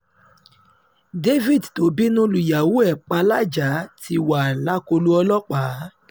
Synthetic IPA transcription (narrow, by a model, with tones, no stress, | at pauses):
de˦vi˦˨dto˨˦bi˦nũ˦lu˨ja˨wu˦ɛ˦˨k͡pa˧la˦d͡ʒa˨˦ti˧wa˨la˦ko˧lu˦ɔ˧lɔ˦k͡pa˨˦